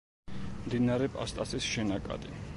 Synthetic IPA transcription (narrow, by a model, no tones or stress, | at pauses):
md̪inaɾɛpʼa̰st̪ʼasisʃɛnakʼa̰d̪i